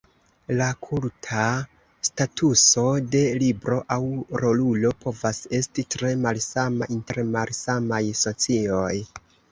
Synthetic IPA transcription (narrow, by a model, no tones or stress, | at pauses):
lakʰultʰa | statʰuso̞de̞libɾo̞ʔawɾo̞lulo̞pʰo̞vase̞stitɾe̞malsamaʔinte̞ɾmalsamajso̞t͡sio̞j